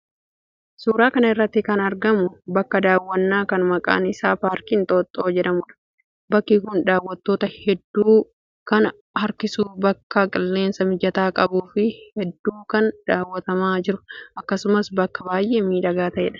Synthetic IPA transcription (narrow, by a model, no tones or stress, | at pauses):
suːɾaːkɐnɐɪrːɐt̪ːɪkɐnɐɾɡɐmʊbɐkːɐd̪aːwːɐnːaːkɐnmɐkʼa̰ːnɪsaːpaːɾkiːnt̪ʼoːt̪ʼːo̞ːd͡ʒɛᶑɐmʊᶑɐ̥ | bɐkːikʊnd̪aːwːɐt̪ːo̞ːt̪ɐhɛd̪ːuː | kɐn | hɐɾkɪsuːbɐkːɐkʼɪlːe̞ːnsɐmɪd͡ʒɐt̪aːkʼɐbuːfɪhɛd̪ːuːkɐnd̪̥aːwːɐt̪ɐmaːd͡ʒɪɾʊʔɐkːɐsʊmɐsbɐkːɐbaːjʔe̞ːmiːᶑɐɡaːt̪ɐʔḛᶑɐ̥